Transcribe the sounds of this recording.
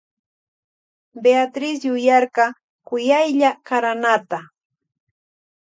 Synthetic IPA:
beat̪ɾɪs̬jʊjɑɾqɑ | kʊjajʎakaɾanat̪a

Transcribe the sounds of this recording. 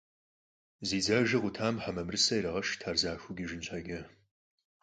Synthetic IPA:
ziːd͡zaːʒɨʁʷʊtʰaːmħamɐmrɨsɐjɾɐʁɐʃtʰaːrzaːxʷʊɡʲɪʒɪnɕʷʰɐɡʲɐ

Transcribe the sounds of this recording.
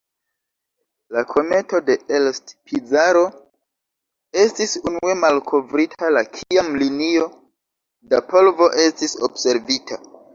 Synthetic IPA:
lakʰo̞me̞to̞de̞elstpʰizaɾo̞ | e̞stisunue̞malkʰo̞vɾitʰalakʰiamlinio̞ | dapo̞lvo̞ʔe̞stiso̰bse̞ɾvitʰa

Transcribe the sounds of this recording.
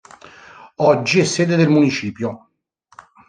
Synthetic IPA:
ɔd͡ʒːiɛsːeːd̪ed̪elmunit͡ʃiːpjo

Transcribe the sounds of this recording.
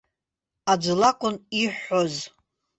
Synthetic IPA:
ad͡ʒʷlakʷʼʊniħːoz

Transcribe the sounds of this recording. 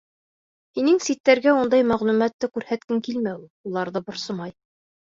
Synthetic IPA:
hinɘŋsit̪ːæɾɡæund̪ɑjmæʁlˠumæt̪ːɘkʉɾhæt̪kɘŋkilmæuulˠɑɾðɤbŏɾsɤ̆mɑj

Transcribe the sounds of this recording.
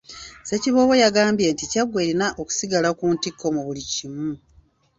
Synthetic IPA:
se̞ciβo̞βojaɡaːmbje̞nticaɡwe̞ɾinaʔoku̥siɡalakuːntikːo̞muβulicimu

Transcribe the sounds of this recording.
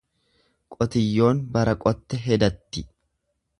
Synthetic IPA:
kʼɔt̪ɪjːo̞ːnbɐɾɐkʼɔt̪ːɛɦɛd̪ɐt̪ːɪ

